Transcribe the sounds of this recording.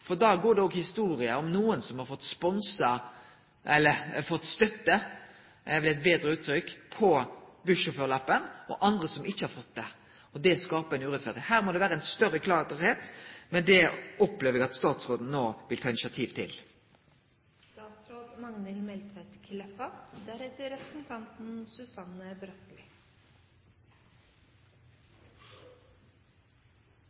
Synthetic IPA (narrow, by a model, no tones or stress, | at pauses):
fɔʁd̪ɑːɡoːɖɛɔɡhɪst̪uːɾɪəɔmnuːənsɔmhɑɾfɔt̪ːspɔnsɑ | ʔɛlːəfɔt̪ːst̪œt̪ːə | ɛʋɛlæɪt̪̚beːd̪ʁəʉːt̪ʰːɾʏkːpʰɔbʉʂəføːʁlɑpːənɔ̰ʔɑnd̪ʁəsɔmɪçːəhɑɾfɔt̪ːd̪ɛ | ɔd̪ɛskɑːpɑɛnʉːʁɛt̪fæʁd̪ɪhæːʁmɔd̪ɛʋæːɾəæɪnst̪œʁːəkʰlɑheːt̪mɛnd̪ɛɔpleːʋəʁɛɡɑt̪st̪ɑːt̪sʁoːd̪n̩noːʋɪlt̪ʰɑːɪnɪʃsjɑt̪ʰiːʋt̪ʰɪ̰l | st̪ɑːt̪sɾoːd̪mɑŋnəlmɛlt̪ʋɛt̪kʰɪlɛfɑd̪æɾɛt̪əɾɛpɾəsn̩t̪ʰɑnt̪n̩sʉsɑnːəbɾœt̪lɪ